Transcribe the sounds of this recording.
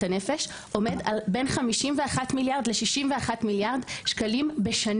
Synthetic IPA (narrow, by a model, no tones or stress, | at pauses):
ane̞fe̞ʃ | ʔo̞me̞dalbe̞nχamiʃimveaχatmiljaʁd̪leʃiʃimveaχatmiljaʁdʃkalimbe̞ʃan